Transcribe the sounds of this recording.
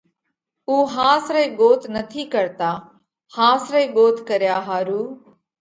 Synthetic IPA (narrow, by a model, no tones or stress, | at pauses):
uːɦãːsɾəiːɠoːt̪ʰnət̪ʰiːkəɾt̪aː | hãːsɾəiːɠoːt̪ʰkəɾjaːɦaːɾuː